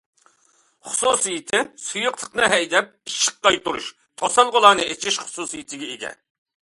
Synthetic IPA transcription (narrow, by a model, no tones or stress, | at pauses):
χʊ̥susɨjit̪ʰɪsujuqt̪ʰə̥qnɨɦɛjd̪ɛp̚iʃə̥q̚qɑjt̪uɾṵʃ | t̪ʰosɑlˠʁolˠɑːnɨet͡ʃʰiʃχʊ̥susijit̪ʰɪɡʲɛeɡʲɛ̰